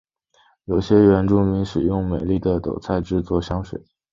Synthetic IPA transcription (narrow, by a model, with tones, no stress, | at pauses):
jo˨˩ʊɕjɛ˥ɥɛ˧˥nʈ͡ʂʊ˥˩ŋmi˧˥ŋʂɻ̩˨˩jʊ˥˩ŋme˨˩ɪli˥˩d̪ə˩t̪o̰˨˩ʊt͡sʰa˥˧ɪʈ͡ʂɻ̩˥˧t͡swɔ˥˩ɕjɑ˥ŋʂwḛ˨˩˦ɪ